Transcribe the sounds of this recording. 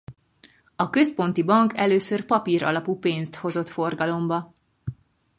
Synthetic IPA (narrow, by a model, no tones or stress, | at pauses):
ɒkø̞spo̞nt̪ibɒŋkʰɛløːsørpɒpiɾɒ̰lɒpuːpeːnst̪ho̞zo̞t̪fo̞rɡɒlo̞mbɒ